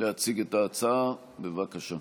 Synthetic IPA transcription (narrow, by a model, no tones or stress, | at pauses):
leat͡siɡetaːt͡sa | bevakaʃa